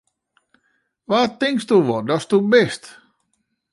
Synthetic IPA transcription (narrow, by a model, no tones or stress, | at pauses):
ʋaːtɪŋkstuʋɔdɔstubɪst